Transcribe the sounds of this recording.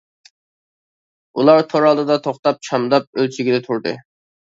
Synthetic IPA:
ulˠɑɾt̪ʰoɾɑlˠd̪ɨd̪ɑt̪ʰoχt̪ɑp̚t͡ʃʰɑmd̪ɑp̚ølt͡ʃʰiɡʲɪd̪ɛt̪ʰuɾd̪ɨ̰

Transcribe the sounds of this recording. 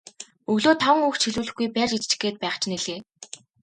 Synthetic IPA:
ɵɣɮoːt̪ʰaw̆ŋuːxt͡ɕʰiɮuːɮɘ̆xɡujpært͡ɕit͡ɕt͡ɕ̆ɡeːt̪̚pæːχt͡ɕʰneɮeː

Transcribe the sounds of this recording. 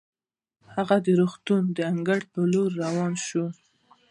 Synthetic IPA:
haɣad̪əɾoxt̪und̪əaŋɡaɽpəloɾːawɑnʃu

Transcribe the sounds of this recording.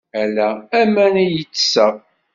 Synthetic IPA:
ælææmænæjət͡sːsəʁ

